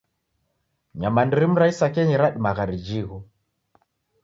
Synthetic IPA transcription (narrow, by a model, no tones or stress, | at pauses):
ɲamandiɾim̩ɾaisakɛɲiɾaɗimaɣaɾid͡ʒiɣu